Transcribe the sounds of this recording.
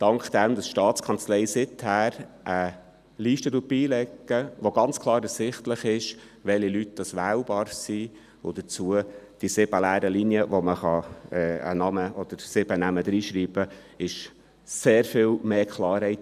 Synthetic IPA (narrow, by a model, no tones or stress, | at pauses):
d̥ɑŋkχd̥̪ɛmd̥̪ɑsʃtɑːtt͡skʰɑnt͡slɛɪsɪt̪hæːɾʔə | liːʃtəduːt̚b̥iːlɛɡːəʋoɡɑnt͡skʰlˠɑːɾəsɪχtləχɪʃ | ʋɛlilyt̚d̥ɑsʋæːwbɑːɾsi | ʊd̥̪ət͡suəd̥isɪb̥əlæːɾəliniəʋoməχɑɛːə̰nɑməɔd̥̪əɾsɪbənæməd̥̪ɾiːʃɾiːb̥ə | ɪʃ | seːɾfɪlmeːkχlɑːɾhɛɪt